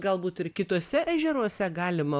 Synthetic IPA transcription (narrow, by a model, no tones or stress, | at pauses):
ɡɐlˠbuːt̪ɪɾkʲɪt̪uːsʲɛʔæʒʲɛɾuɔsʲɛɡɑːlʲɪmɐ